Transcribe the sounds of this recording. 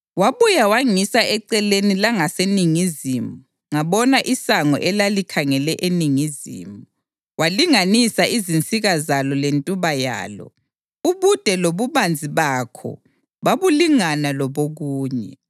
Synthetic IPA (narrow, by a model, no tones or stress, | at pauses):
waβujawaŋisaɛǀɛlenilaŋaseniŋizimu | ŋaβɔnaʔisaŋɔ̰ʔɛlalikʰaŋɛlɛʔeniŋizḭmu | waliŋanisaʔizint͡sʼiɣazalɔlentʼuβaja̰ːlɔ̰ | uβud̥ʱɛloβuβand͡zʱiβakʰɔ̰ | βaβuliŋanalɔβoɣuːɲɛ̰